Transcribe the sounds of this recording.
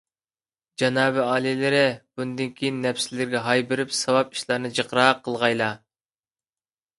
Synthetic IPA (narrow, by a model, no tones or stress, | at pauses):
d͡ʒɑnɑːbɪɑːlˠilɪɾɪb̥und̪ɪnkʲʰijinːɛfsɪlɪɾɡʲɛɦɑjbɪɾɪpsɑwɑp̚i̥ʃlˠɑɾnɨd͡ʒəqɾɑqʰːəlˠʁɑjlˠɑ